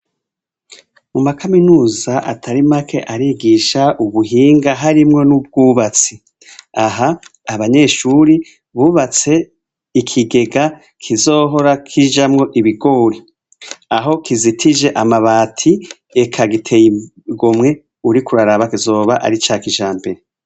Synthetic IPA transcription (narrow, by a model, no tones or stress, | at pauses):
mumakaminuːzaʔa̰tʰaɾimakʰeʔaɾiɡiʃaʔuβuɦiːŋɡaɦaɾimŋo̞nub̚ɡuːβat͡si | aɦaːβaɲe̞ːʃuɾi | βuːβat͡se̞ | ikʰiɡe̞ɡa | kʰizo̞ːɦo̞ɾakʰiʒamŋo̞ʔiβiɡo̞ːɾi | aɦo̞kizitʰiʒe̞ʔamaβaːtʰi | ekʰaɡitʰe̞ji | ɡomŋe̞ | uɾikuɾaɾaβakizo̞ːβaʔa̰ɾit͡ʃaːkiʒaːmbe̞ɾe